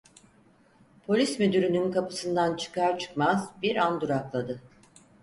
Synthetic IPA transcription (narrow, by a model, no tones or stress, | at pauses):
pʰo̞lʲismyd̪yɾynynkʰapɯ̥sɯnd̪ant͡ʃʰɯ̥kʰaɾt͡ʃʰɯ̥kmazbiɾand̪uɾaklˠad̪ɯ